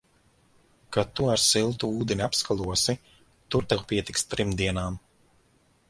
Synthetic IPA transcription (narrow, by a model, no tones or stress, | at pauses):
kat̪uaɾsilˠt̪uuːd̪enʲiapskalˠuɔsi | t̪uɾt̪ɛwpiɛt̪ikst̪ɾimd̪iɛnaːm